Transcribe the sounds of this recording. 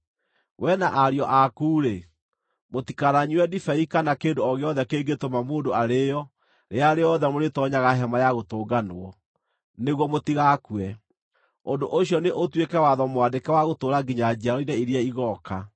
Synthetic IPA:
wʔɛnaʔaɾjɔʔakuːɾe | motikaɾaɲiwɛdifɛikanakeːndoɔɣeɔðɛkeːɡetomamoːdoaɾejɔ | ɾeaɾeɔðɛmoɾetɔɲaɣaɦɛmajaɣotoːɡanoɔ | neɣwɔmotiɣakwɛ | ondoʔoɕjɔneʔotwekɛwaðɔmwadekɛwaɣotoɾaɡiɲad͡ʑiaɾɔinɛiɾiaiɣɔka

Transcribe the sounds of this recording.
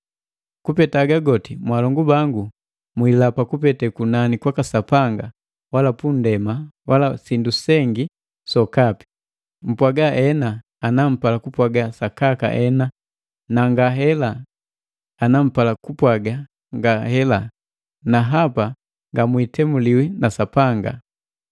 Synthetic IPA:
kupɛtaɡaɡɔtimwalɔŋɡubaŋɡu | mwilapakupɛtɛkunanikwakasapaŋɡa | walapun̩dɛmawʔalasindusɛŋɡi | sɔkapi̥ | m̩pwaɡaʔɛnaː | nam̩palakupwaɡasakaka̰ʔɛna | naŋɡaɦɛlaː | nam̩palakupwaɡa | ŋɡahɛla | naɦapa | ŋɡamwitɛmuliwinasapaŋɡa̰

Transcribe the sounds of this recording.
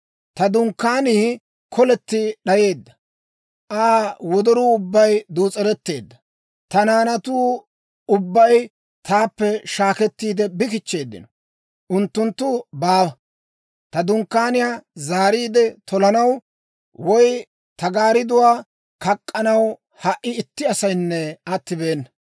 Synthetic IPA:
t̪ɐd̪ʊŋkːaːniː | kʰɔlɛt̪ːɪɗɐje̞ːd̪ːɐ̥ | ʔaːwɔd̪ɔɾuːʊbːɐjd̪uːt͡sʼɛɾɛt̪ːe̞̰ːd̪ːɐ̥ | t̪ɐnaːnɐt̪uː | ʊbːɐj | t̪ʰaːpːɛʃaːkɛt̪ːiːd̪ɛbɪkɪt͡ʃːe̞ːd̪ːɪ̰nɔ | ʔʊnt̪ːʊnt̪ːʊbaːwɐ | t̪ɐd̪ʊŋkːaːnɪjaːzaːɾiːd̪ɛt̪ɔlɐnɐw | wɔj | t̪ɐɡaːɾɪd̪ʊwaː | kɐkʼːɐnɐw | hɐʔɪɪt̪ːɪɐsɐjnːɛɐt̪ːɪbe̞ːnːɐ

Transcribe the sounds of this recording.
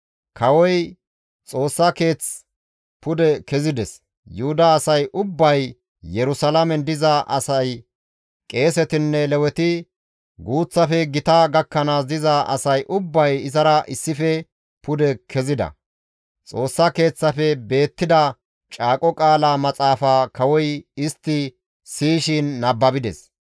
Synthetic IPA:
kʰɐwɔj | t͡sʼo̞ːsːɐke̞ːt͡s | pʊd̪ɛkɛzɪd̪ɛs | jʊhʊd̪aːsɐjʔʊbːɐj | jɛɾʊsɐlamɛnd̪ɪzɐʔɐ̰sɐj | kʼe̞ːs̬ɛt̪ɪnːɛlɛwɛt̪ɪ | ɡuːt͡sːɐfɛɡɪt̪ɐɡɐkːɐnaːs̬d̪ɪzɐʔɐ̰sɐjʔʊbːɐjɪzɐɾɐʔɪsːɪfɛ | pʊd̪ɛkʰɛzɪd̪ɐ̰ | t͡sʼo̞ːsːɐke̞ːt͡sːɐfɛbe̞ːt̪ːɪd̪ɐ | t͡ʃʼaːkʼɔkʼaːlaːmɐt͡sʼaːfaːkɐwɔjɪst̪ːɪ | siːʃɪnːɐbːɐbɪd̪ɛs

